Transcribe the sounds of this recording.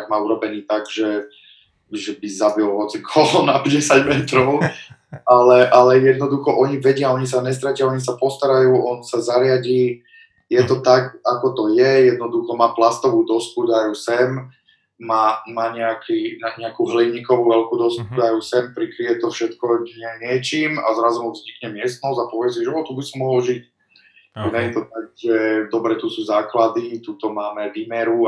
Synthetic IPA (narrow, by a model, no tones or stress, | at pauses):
ɡmaːuɾɔbɛniːt̪aɡʒɛ | ʒɛbizabilɦɔt͡sikʰɔlɔnapɟɛsaɟmɛt̪ɾɔʊ | alɛʔalɛjɛd̪nɔd̪uxɔʔɔɲiʋɛɟɪaɔɲis̬aɲɛs̬t̪ɾacɪaɔɲis̬apɔst̪aɾajuːɔnsazaɾɪaɟiː | jɛt̪ɔt̪akakɔt̪ɔjɛjɛd̪nɔd̪uxɔmaːplast̪ɔʋuːd̪ɔskud̪ajusɛmː | aːmaːɲɛakʰiːnaɲɛakuɦliɲikɔʋuʋɛlkuːd̪ɔskud̪ajusɛmpɾikɾiʋɛt̪ɔfʃɛt̪kɔɲɛɲɪɛt͡ʃiːma̰zɾazɔmuvzɲikɲɛmɪɛst̪nɔzapɔʋɛs̬iʒɛɔt̪ubisɔmːɔɦɔlʒic | aɲɛjɛt̪ɔt̪aɡ̚ʒɛd̪ɔbɾɛt̪usuːzaːklad̪it̪uːt̪ɔmaːmɛʋiːmɛɾu